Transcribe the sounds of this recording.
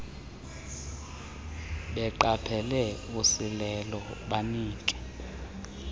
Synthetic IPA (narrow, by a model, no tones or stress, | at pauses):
ɓɛǃapʰɛlɛusilɛlɔɓaniːkʼɛ̥